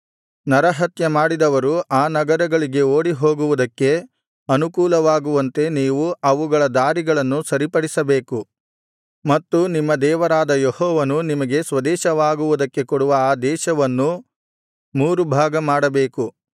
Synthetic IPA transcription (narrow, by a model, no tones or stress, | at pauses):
nɐɾɐɦɐt̪jɐmaːɽid̪ɐʋɐɾuʔaːnɐɡɐɾɐɡɐɭiɡe̞oːɽiɦo̞ːɡuʋud̪ɐkːe̞ | ɐnukuːlɐʋaːɡuʋɐnt̪e̞niːʋuɐʋuɡɐɭɐd̪aːɾiɡɐɭɐnːusɐɾipɐɽisɐbeːku | mɐt̪ːunimːɐd̪ɛːʋɐɾaːd̪ɐjehɔːʋɐnunimɐɡe̞sʋɐd̪ɛːʃɐʋaːɡuʋud̪ɐkːe̞kɔɽuʋɐaːd̪ɛːʃɐʋɐnːu | muːɾubʱaːɡɐmaːɽɐbeːku